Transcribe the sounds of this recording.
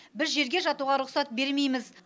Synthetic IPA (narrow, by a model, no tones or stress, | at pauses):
bɪzʒe̞ɾɡʲe̞ʒɑt̪uʁɑɾʊqsɑt̪̚be̞ɾme̞jmɪz